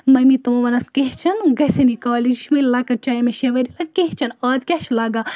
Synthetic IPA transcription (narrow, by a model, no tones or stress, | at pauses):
mɐmit̪umɐʋɐnɐskeɦt͡ʃʰɐnɡɐsenikaːlid͡ʒiʃʰmɐlʲlɐkɐt͡ʃɐjɐmeʃɐʋɐɾilɐkeɦt͡ʃʰɐnaːzkʲɐʃʰlɐːɡa